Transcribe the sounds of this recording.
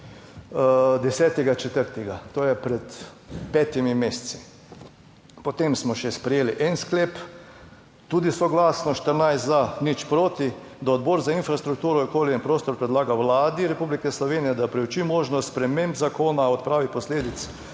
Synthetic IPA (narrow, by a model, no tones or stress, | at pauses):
d̪ɛsɛːt̪ɛɡat͡ʃɛt̪əɾt̪ɛɡat̪oːjɛpɾɛt̪ | pɛːt̪imimeːssi̥ | pɔt̪emsmɔʃɛspɾɛjeːliʔɛnskleːp | t̪uːd̪isɔɡlaːsnɔʃt̪əɾnajst̪zanit͡ʃpɾoːt̪i | d̪ɔːd̪boɾzainfɾast̪ɾuk̚t̪uːɾɔokoːliinpɾoːst̪ɔɾpɾɛd̪laːɡaʋlaːd̪iɾɛpublikɛslɔʋeːnijɛd̪apɾɛut͡ʃimoːʒnɔst̪spɾɛmembzakoːnaɔt̪̚pɾaːʋipɔsleːd̪it̪s